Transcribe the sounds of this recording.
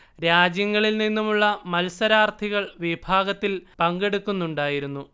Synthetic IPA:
ɾaːd͡ʑjɐŋːɐɭilninːumuɭːɐmɐlsɐɾaːrt̪ʰiɣɐɭʋibʱaːɡɐt̪ːilpɐŋɡe̞ɽukːunːuɳɖaːjiɾunːu

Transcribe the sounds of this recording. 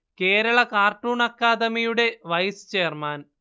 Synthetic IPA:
ke̞ːɾɐɭɐkaːrʈuːɳɐkːaːd̪ɐmijuɽe̞ʋɐjst͡ɕe̞ːrmaːn

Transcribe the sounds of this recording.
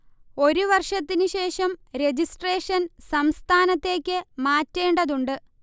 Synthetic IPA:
o̞ɾuʋɐrʂɐt̪ːinɨɕe̞ːʂɐmɾe̞d͡ʑisʈre̞ːʂɐnsɐmst̪ʰaːnɐt̪ːe̞ːkʲːɨmaːtːe̞ːɳɖɐðuɳɖɨ

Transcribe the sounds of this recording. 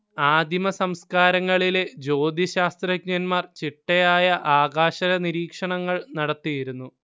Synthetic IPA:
aːd̪ʱimɐsɐmskaːɾɐŋːɐɭiled͡ʑo̞ːd̪iɕaːst̪rɐkɲɐnmaːrt͡ɕiʈːɐjaːjɐʔaːɡaːɕɐɾɐniɾiːkʂɐɳɐŋːɐɭnɐɽɐt̪ːijiɾunːu

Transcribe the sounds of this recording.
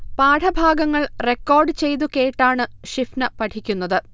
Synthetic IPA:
paːʈʰɐbʱaːɡɐŋːɐɭre̞kːo̞ːrɖɨt͡ɕe̞jt̪ukeːʈːaːɳɨʂifnɐpɐʈʰikʲːunːɐðɨ

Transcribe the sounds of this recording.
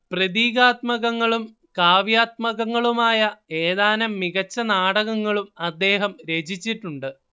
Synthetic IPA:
prɐðiːɣaːt̪mɐɣɐŋːɐɭum | kaːʋjaːt̪̚mɐɣɐŋːɐɭumaːjɐe̞ːðaːnɐmːiɣɐt͡ɕːɐnaːɽɐɣɐŋːɐɭumɐd̪ːe̞ːɦɐmɾe̞ːd͡ʑit͡ɕːiʈːuɳɖɨ

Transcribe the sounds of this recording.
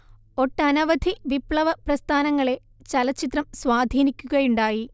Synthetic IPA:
o̞ʈːɐnɐʋɐd̪ʱiʋipɭɐʋɐprɐst̪ʰaːnɐŋːɐɭe̞ | t͡ɕɐlɐt͡ɕːit̪rɐmswaːd̪ʱiːnikʲːuɣɐjuɳɖaːji

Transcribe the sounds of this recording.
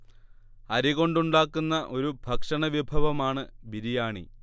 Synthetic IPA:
ɐɾiɣo̞ɳɖuɳɖaːkːunːɐʔo̞ɾubʱɐkʂɐɳɐʋibʱɐʋɐmaːɳɨbiɾijaːɳḭ

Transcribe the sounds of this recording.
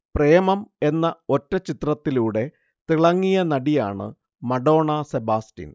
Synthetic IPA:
preːɐmɐme̞nːɐo̞tːɐt͡ɕit̪rɐt̪ːiluːɽe̞ | t̪iɭɐŋːijɐnɐɽija̰ːɳɨ̰ | mɐɽo̞ːɳɐsebaːstḭn

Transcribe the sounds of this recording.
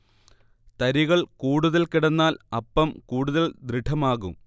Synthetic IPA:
t̪ɐɾiɣɐɭkuːɽuðɐlkiɽɐnːaːlɐpːɐmkuːɽuðɐld̪ɾiɖʰʱɐmaːɣum

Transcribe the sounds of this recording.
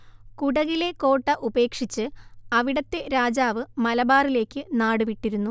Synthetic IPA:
kuɽɐɣile̞ko̞ːʈːɐʔube̞ːkʂit͡ɕːɨɐʋiɽɐt̪ːe̞ɾaːd͡ʑaːʋɨmɐlɐbaːrile̞ːkʲːɨnaːɽɨʋiʈːiɾunːu

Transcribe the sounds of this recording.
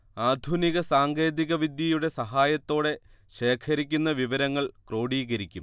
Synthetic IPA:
aːd̪ʱuniɣɐsaːŋɡe̞ːd̪iɣɐʋid̪jɐjuɽe̞sɐɦaːjɐt̪ːo̞ːɽe̞ | ɕe̞ːkʰɐɾikʲːunːɐʋiʋɐɾɐŋːɐɭkro̞ːɽiːɣɐɾikʲːum

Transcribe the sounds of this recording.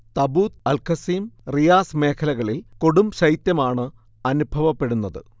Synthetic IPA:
t̪ɐbuːt̪ɐlkʰɐsiːmrijaːsme̞ːkʰɐlɐɣɐɭilko̞ɽumɕɐjt̪jɐmaːɳɨ | ɐnubʱɐʋɐpːe̞ɽunːɐðɨ̰

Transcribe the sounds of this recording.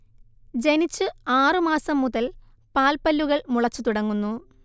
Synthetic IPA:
d͡ʑe̞nit͡ɕːɨaːrɨmaːsɐmːuðɐl | paːlpɐlːuɣɐɭmuɭɐt͡ɕːut̪uɽɐŋːunːu

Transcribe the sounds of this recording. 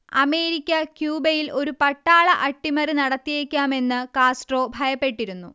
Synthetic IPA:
ɐme̞ːɾikʲːɐkjuːbɐjilʔo̞ɾupɐʈːaːɭɐʔɐʈːimɐrɨnɐɽɐt̪ːijeːkʲːaːme̞nːɨkaːsʈro̞ːbʱɐjɐpːe̞ʈːiɾunːu

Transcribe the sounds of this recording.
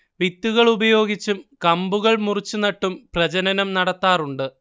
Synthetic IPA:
ʋit̪ːuɣɐɭubɐjo̞ːɡit͡ɕːumkɐmbuɣɐɭmurit͡ɕːunɐʈːumprɐd͡ʑɐnɐnɐmnɐɽɐt̪ːaːruɳɖɨ

